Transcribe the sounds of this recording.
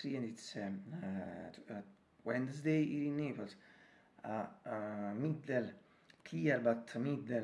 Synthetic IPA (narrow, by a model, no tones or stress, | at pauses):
ɾiɛnd̪it̪sɛ | wɛnd̪əsd̪ejiɾinːeːpals | a | mid̪ɛl | kʰiaɾbat̪mid̪ɛ